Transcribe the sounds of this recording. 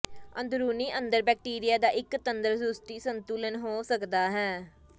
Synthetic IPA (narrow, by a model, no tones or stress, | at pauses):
ənd̪ɾuːniːʔənd̪əɾbɛːk̚ʈiːɾɪjaːd̪aːʔɪkt̪ənd̪əɾsust̪iːsənt̪uːlənɦoːsəkd̪aːɦɛː